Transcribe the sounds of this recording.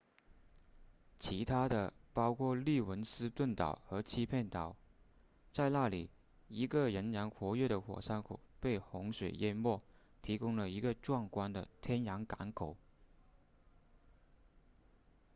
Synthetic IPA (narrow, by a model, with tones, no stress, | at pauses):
t͡ɕʰi˧˥t̪ʰa˥d̪ə˨pɑ˥ʊkʰwɔ˥˧li˥˩wə˧˥nsɹ̩˥t̪wə˥˩nt̪ɑ˨˩ʊxɤ˧˥t͡ɕʰi˥pʰjɛ˥˩nt̪ɑ˨˩ʊ | t͡sa˥˧ɪna˥˩li˨˩ | i˧˥ɡə˨ɻə˧˥nɻa˧˥nxwɔ˧˥ɥɛ˥˩ɾə˩xwɔ̰˨˩sa˥nkʰu˨˩pe˥˩ɪxʊ˧˥ŋʂwe˨˩ɪjɛ˥nmwɔ˥˩ | t̪ʰi˧˥kʊ˥ŋlə˨i˧˥ɡə˧ʈ͡ʂwɑ˥˩ŋkwa˥nd̪ə˨t̪ʰjɛ˥njɑ˧˥ŋka˧˥nkʰo˨˩˦ʊ